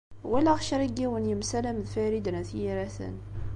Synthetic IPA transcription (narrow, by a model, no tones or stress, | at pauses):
wælæʁʃɾiɡːiwənjəmsælæmðfæɾid̪ənæθjiɾæθə̰n